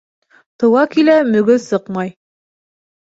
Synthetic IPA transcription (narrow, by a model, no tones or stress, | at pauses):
t̪ɤ̆wɑkilæmɵ̆ɡɵsɤqmɑj